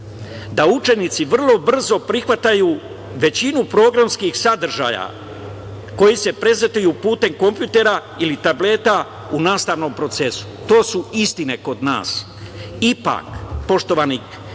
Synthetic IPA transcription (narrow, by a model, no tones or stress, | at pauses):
d̪aut͡ʃe̞nit̪siʋr̩lˠo̞br̩zo̞pɾixʋat̪ajuː | ʋe̞t͡ɕinupɾo̞ːɡɾamskixsad̪r̩ʒa̰ja̰ | ko̞jise̞pɾe̞zet̪ujupuːt̪e̞mko̞mpjut̪e̞ɾa | ilit̪able̞t̪a | unaːst̪aʋno̞ːmpɾo̞t̪se̞su̥t̪o̞ːsuist̪ine̞ko̞d̪na̰ːs | ipa̰kpo̞ʃt̪o̞ʋani